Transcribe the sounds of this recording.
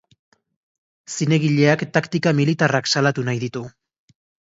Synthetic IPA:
sine̞ɣiʎe̞akt̪akt̪ikamilit̪araksalat̪unajðit̪u

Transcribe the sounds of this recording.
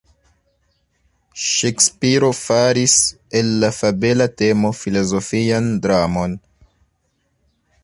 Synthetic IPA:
ʃekspiɾo̞faɾis | elːafabe̞late̞mo̞filo̞zo̞fiandɾamo̞n

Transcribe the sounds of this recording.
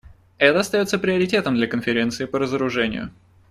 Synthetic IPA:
ɛt̪əɐst̪ɐjot̪səpɾʲɪəɾʲɪtʲe̞t̪əmd̪lʲɐkənfʲɪɾʲe̞nt̪sɨɪpəɾəzəɾʊʐɛnʲɪ̰jʊ̰

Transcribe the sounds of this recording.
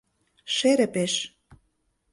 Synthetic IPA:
ʃeɾĕpeʃ

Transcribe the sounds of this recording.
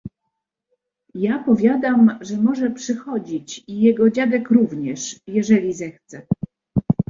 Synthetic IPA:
japɔvʲjad̪amʐɛmɔʐɛpʂɘxɔd͡ʑit͡ɕijɛɡɔd͡ʑad̪ɛkɾuvɲɛʂjɛʐɛlʲizɛxt̪sɛ

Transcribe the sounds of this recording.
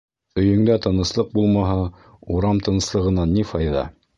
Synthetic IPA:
ɵ̆jɵ̆ŋd̪æt̪ɤ̆nɤ̆slˠɤq̚bulˠmɑɦɤ | uɾɑmt̪ɤ̆nɤ̆slˠɤ̆ʁɤ̆nɑnːifɑjðɑ̰

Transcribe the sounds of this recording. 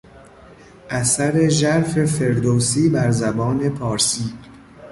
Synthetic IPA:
ʔæsæɾe̞ʒæɾfe̞fe̞ɾd̪oːsiːbæɾzæbɒːne̞pʰɒːɾsiː

